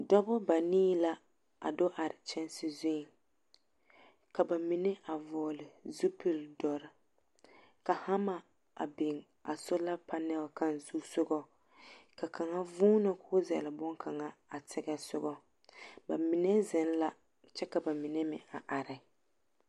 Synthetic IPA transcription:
dɔ˦bʊ˦ba˨niː˦la˦ | a̰˨do˦ʔa˨ɾɪ˨t͡ʃɛ˦nsɪ˨zʊ˦˨ | ka˨ba˨mi˨nɛ˦ʔa˨vɔː˨lɪ˨zu˦pi˨ldɔ˨˦ɾɪ˦ | ka˨ha˦ma˨ | a̰˨bɪ˨ŋ | a˨sʊ˦la˦pa˦nɛ˦ba˨ka˦nzuː˦sʊ˦ɡɔ˦ | ka˨kʰa˨ŋa˦vuː˦nɨ˨kʰʊ˦zɛ̰˨lɪ˨bʊ˦ŋkʰa˨ŋa˨a˨tɪ˦ɡɛ˦sʊ˦ɡɔ˦ | ba˨mi˨nɛ˦zɪ˨˦n˦la˦ | t͡ʃɛ˦ka˨ba˨mi˨nɛ˦mɪ̰˨a˨ʔa˨ɾɪ˨

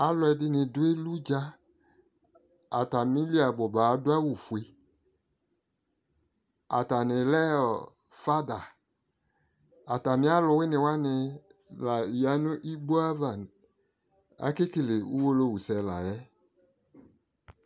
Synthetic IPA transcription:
a˨˦lʊ˧ɛ˧dɪ˦nɪ˧dʊ˦e˦lu˦d͡ʒa˧ | a˨ta˨mĩ˦li˦a˨ɡ͡bɔ˨ba˨˦dʊ˦a˦wu˨fu˨e˧ | a̰˨ta˨nɪ˨lɛ˦ɔ˨ | fa˦da˨ | a˨ta˨mɪ˦a˦lʊ˧wɪ˦nɪ˨wa˦nɪ˧la˨i˨ja˨˦nʊ̃˦ʔi˦ɡ͡bo˦a˦va˨n˨ | a̰˨˦kɪ˦ki˨le˨u˦wo˧lo˧wu˨sɛ˨˧la̰˨jɛ˦

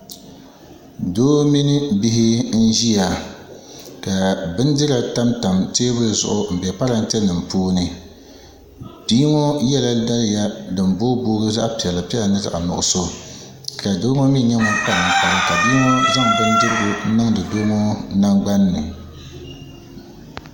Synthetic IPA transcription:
doː˦mi˦nɨ˦bi˦ɦɪ˦n̩˦ʒi˦ja˨ | ka˨bɨ˦n˦dɨ˦ɾa˨ta˦mta˨mteː˦bʊ˦zʊ̰˨ʔʊ˨m̩˨bɛ˨pa˦ɾa˨n̩˦tɛ˦nɨ˨mpoː˦nɨ˦ | biː˦ŋo˦jɛ˦la˦da˦lja˦dɨ˨m˨bo˦bo˦ɾɨ˦za˦ʔpi˨ɛ˨la˨pi˦ɛ˦la˨nɨ˦za̰˨ʔa˨nʊ̰˨ʔʊ̰˨so˦ | ka˨doː˦ŋo˦mi˦ɲɛ˦ŋɔ˦pa˦ɾa˨ŋ̩˦˨pa˦ɾɨ˦ka˨bi˦ŋo˦za˦ŋ˨bɨ˦n˦dɨ˦ɾɨ˦bʊ˦n̩˦nɨ˦ŋdɨ˨doː˦ŋo˦na˦ŋɡ͡ba˦nːɨ˨

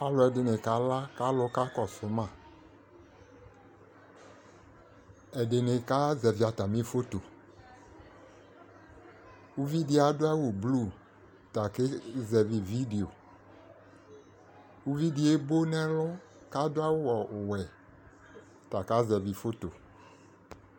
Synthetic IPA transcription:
pa˦lʊ˨ɛ˨dɪ˨nɪ˨ka˨la˦ka˦lʊ˦ka˦kɔ˨sʊ˨˦mã˨ | ɛ˨de˨nɪ˨ka˦zɛ˨vi˨˦a˨t̪a˨mĩ˦fo˦t̪o˨ | wu˦vi˦di˦a˨dʊ˦a˦wu˨blu˦˨ | t̪a˨ke˦zɛ˨vi˨vi˦de˨o˨ | wu˦vi˦di˨˦e˦bo˦nɛ̃˦lʊ˦ | ka˦dʊ˦a˦wʊ˦wɔ˨ʔʊ˨wɛ˨ | t̪a˨ka˦zɛ˨vi˨fo˦t̪o˨

